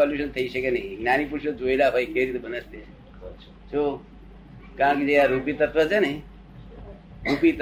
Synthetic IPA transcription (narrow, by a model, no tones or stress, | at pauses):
ɔljuʃənt̪ʰəisəkenəɦiɡnanipuɾsəd͡ʒojlaɦojkeɾit̪bʱənəst̪e | so | kaãkid͡ʒeɦaɾupit̪ət̪ʋət͡ʃʰenəi | ɾupit̪